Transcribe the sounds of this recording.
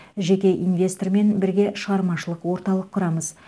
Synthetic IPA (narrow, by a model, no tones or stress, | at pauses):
ʒe̞kʲe̞ʔinvʲe̞st̪orme̞nbɪɾɡʲe̞ʃəʁɑɾmɑʃəlˠəqwo̞ɾt̪ɑlˠəqʰːʊɾɑməz